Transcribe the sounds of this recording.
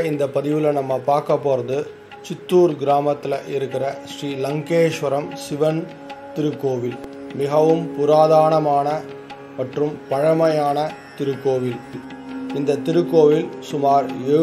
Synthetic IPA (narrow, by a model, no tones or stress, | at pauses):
ɪnd̪ɐpɐðɪʋɪlɐnɐmːɐpaːɾkɐpːoːɾɐðɯ | t͡ʃɪt̪ːuːɾɡɪɾaːmɐt̪ːɪlɐʔɪɾɯkːɪrɐʂɾiːlɐŋkeːʂʋɐɾɐmsɪʋɐn | t̪ɪɾɯkːoːʋɪlmɪɣɐʋɯmpʊɾaːðaːɳɐmaːnɐ | mɐʈrɯmpɐɻɐmɐjaːnɐt̪ɪɾɯkːoːʋɪl | ɪnd̪ɐt̪ɪɾɯkːoːʋɪlsʊmaːɾeː